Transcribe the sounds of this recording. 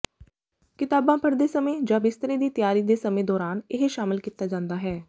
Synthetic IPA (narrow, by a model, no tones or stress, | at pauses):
kɪt̪aːbãːpʰəɾd̪eːsəmẽːd͡ʒãːbɪst̪əɾẽːd̪iːt̪ɪjaːɾiːd̪eːsəmẽːd̪ɔːɾaːnɪɦʃaːmɪlkiːt̪aːd͡ʒãːnd̪aːɦɛː